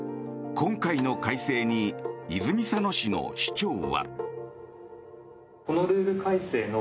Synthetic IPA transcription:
kʰõ̞ŋkaino̞kaise̞ːɲ̟iizɨmʲisano̞ɕino̞̰ɕi̥t͡ɕo̞ːβa̰ | ko̞no̞ɾɯ̟ːɾɯ̟kaise̞ːno

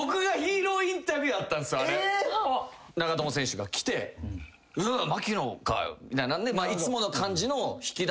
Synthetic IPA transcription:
okɯ̟ɡaçiːɾo̞ːĩnt̪abʲiɯat̪ːãñsɨaɾe | naɡat̪omosẽ̞ɕɨɡakʲi̥t̪e̞ | ɯmakʲinoka̰mit̪ajnãnd̪emaːit͡sɨmo̞no̞kʰãɲ̟d͡ʑino̞çi̥kʲid̪

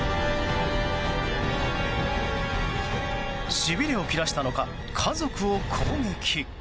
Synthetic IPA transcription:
ɕibʲiɾʲio̞kʲiɾaɕi̥t̪ano̞ka | kʰazo̞kɯ̟o̞kʰoːŋe̞kʲʰi

